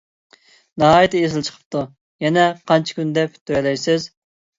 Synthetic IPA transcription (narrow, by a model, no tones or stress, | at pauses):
nɑɦɑːjt̪ɨezɪlˠt͡ʃʰə̥qʰə̥p̚t̪ʰu | jɛnɛqʰɑnt͡ʃʰi̥kʲynd̪ɛpt̪ʰøɾɛlɛjsɪz